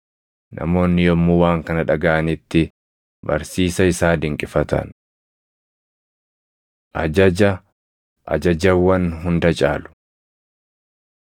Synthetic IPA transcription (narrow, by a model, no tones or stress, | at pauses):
nɐ̰mo̞ːnːɪjɔmːʊwaːŋkɐnɐᶑɐɡɐʔɐnɪt̪ːɪ | bɐ̰ɾsiːsɐɪsaːd̪ɪŋkʼɪfɐt̪ɐ̰n | ʔɐd͡ʒɐd͡ʒɐ | ʔɐ̰d͡ʒɐd͡ʒɐwːɐnɦʊnd̪ɐt͡ʃʼa̰ːlʊ̥